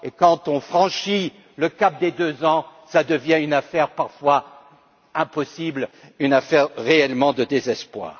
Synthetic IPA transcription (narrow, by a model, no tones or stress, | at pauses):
ekɑ̃t̪ɔ̃fχɑ̃ʃi | ləkap̚d̪ed̪øzɑ̃sad̪əvjɛ̃ynafɛʁpaʁfwa | ɛ̃pɔsiblynafɛʁʁeɛlmɑ̃d̪əd̪ezɛspwa̰ːʁ